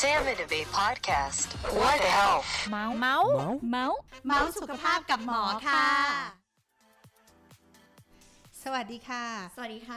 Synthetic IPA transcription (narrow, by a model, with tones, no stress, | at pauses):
sɛ̃mɪ̃nɨvipʰɑd̚kʰæstɔhɛlˠma˦˥wma˦˥wma˦˥wma˦˥wsu˨˩kʰa˧pʰaː˥˩p̚ka˨˩p̚mɔː˩˦kʰaa˥˩ | sa˧wa˨˩t̚diː˨˧kʰaː˧˥˩sa˧wa˨˩diː˨˧˥a˥˩